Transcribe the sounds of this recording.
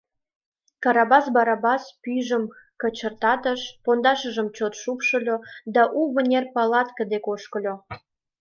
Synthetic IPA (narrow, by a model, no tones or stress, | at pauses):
kɑɾɑbɑsbɑɾɑbɑspyjʒəm | kət͡ɕərt̪ɑt̪əʃpond̪ɑʃəʒəmt͡ɕot̪ʃupʃəlʲod̪ɑʔuβənʲerpɑlɑt̪kə̆d̪ekoʃkəlʲo